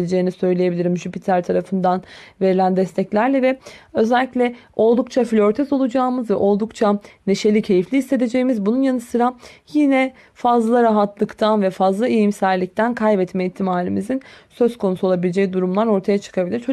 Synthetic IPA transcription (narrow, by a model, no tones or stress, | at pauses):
lʲed͡ʒe̞jːnisø̞jlʲeje̞bilʲiɾimʒypit̪ʰæɾt̪ʰaɾafɯnd̪anve̞ɾilʲænd̪ɛst̪ʰɛclʲæɾlʲɛvɛø̞zælʲːiclʲɛo̞lˠd̪ukt͡ʃʰaflʲøɾt̪ʰɛso̞lˠud͡ʒaːmɯzvɛʔo̞lˠd̪ukt͡ʃʰane̞ʃe̞lʲicʰe̞jiflʲiːse̞d̪e̞d͡ʒe̞jimizbununjanɯsɯɾajinɛ | fazlˠaɾaɦat̪lˠɯkt̪ʰanvɛfazlˠaijimsæɾlʲic̚t̪ʰænkʰajbɛt̪mɛit̪ʰːimaːlʲimizinsø̞z̥kʰo̞nusuolˠabilʲed͡ʒɛjd̪uɾumlˠaɾo̞ɾt̪ʰajat͡ʃʰɯ̥kʰabilʲiɾt͡ʃʰo